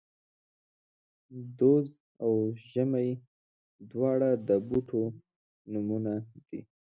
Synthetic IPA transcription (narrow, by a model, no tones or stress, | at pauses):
d̪oz | awʒəmaj | d̪wɑɽad̪əbuʈʰo | numunad̪̥ḭ